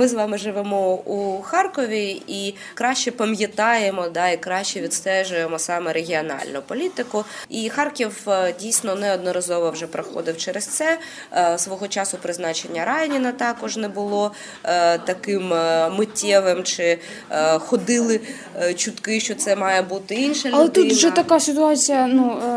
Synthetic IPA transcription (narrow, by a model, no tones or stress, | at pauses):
mɪzʋɑmɪʒɪʋɛmɔuxɑrkɔʋʲii | kɾɑʃʲt͡ʃɛpɐmjɐt̪ɑjemɔd̪ɑikɾɑʃʲt͡ʃɛʋʲid̪st̪ɛʒʊjemɔsɑmɛɾeɦʲiɔnɑ̰lʲnʊpɔlʲit̪ɪkʊixɑrkʲiwdʲijsʲnɔnɛɔd̪nɔɾɐzɔʋɔwʒɛpɾɐxɔ̰d̪ɪwt͡ʃɛɾest̪sɛ | sʋɔɦɔt͡ʃɑsʊpɾɪznɑt͡ʃenʲːɐɾɑjnʲinɐt̪ɑkɔʒnɛbʊlˠɔ | t̪ɐkɪmmɪtʲːɛʋɪmt͡ʃɪ | xɔd̪ɪlˠɪ | t͡ʃʊt̪kɪʃt͡ʃɔt̪sɛmɑjɛbut̪ɪinʃɐlɐlˠɛt̪uʒɛt̪ɐkasʲɪt̪ʊɑt͡sʲijɐnu